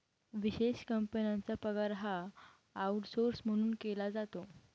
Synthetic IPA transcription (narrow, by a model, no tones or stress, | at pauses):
ʋiɕeɕkəmpənjant͡sapəɡaɾɦaː | uʈsoɾsm̤əɽ̃uːnkelad͡zat̪o